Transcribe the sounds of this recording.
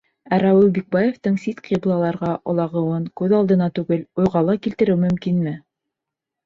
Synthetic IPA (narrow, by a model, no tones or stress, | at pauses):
æɾæwɘlˠbik̚bɑjeft̪ɤɴsit̪qʰiblˠɑlˠɑɾʁɑʔŏlˠɑʁɤ̆wɤŋkʉðɑlˠd̪ɤ̆nɑt̪ʉɡɘlujʁɑlˠɑkilt̪ɘ̆ɾɘwmɵ̆mkinmɘ